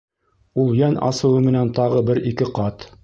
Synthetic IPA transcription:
ulˠjænʔɑ̰sɤ̆wɤmɘ̆nænt̪ɑʁɤbɘɾikɘqɑt̪

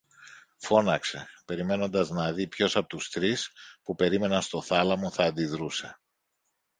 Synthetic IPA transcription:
fo̞nɐkse̞pe̞ɾime̞no̞nd̪ɐznɐðipço̞sɐpot̪ust̪ɾispupe̞ɾime̞nɐst̪o̞θɐlɐmo̞θɐːnd̪iðɾuse̞

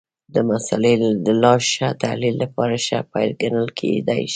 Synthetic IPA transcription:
d̪əmasa̰led̪əlɑʃat̪alilːapɑɾaʃa̰pajlɡanəlkʰḛd̪ajʃ

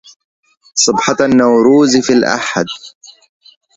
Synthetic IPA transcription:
sˤɨbħɑnːawɾuːzfilʔa̰ħa̰d̪

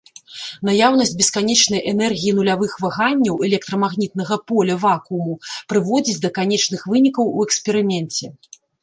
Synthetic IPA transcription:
najawn̪ɐsʲd͡zʲbʲɛskanʲɛt͡ʂnɐjʔɛnɛrɣʲijinulʲavɨxvaɣanʲːɐwɛlʲɛk̚t̪ɾɐmaɣnʲit̪̚nɐɣɐpɔlʲɐvakumupɾɨvɔd͡zʲid͡zʲd̪ɐkanʲɛt͡ʂnɨxvɨnʲikɐwuɛkspʲɛɾɨmʲɛnt͡sʲɛ

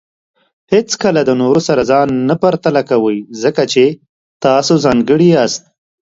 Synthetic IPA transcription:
het͡skəlad̪ənoɾosaɾazɑnːapaɾt̪alakawəjzəkat͡ʃe | t̪ɑsozɑŋɡəɽiast̪̚

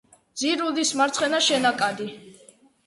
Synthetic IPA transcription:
d̪z̥iɾud̪ismaɾt̪sʰχɛnaʃɛnakʼad̪i

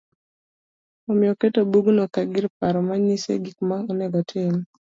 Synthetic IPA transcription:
omɪɔketobuɡnɔkaɡɪɾpaɾɔmaɲisḛɡikmaɔneɡɔtʰɪm

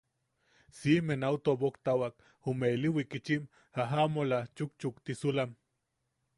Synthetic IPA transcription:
simenaut̪obokt̪awak | umeliwikit͡ʃim | haɦamolat͡ʃuk̚t͡ʃukt̪isulam

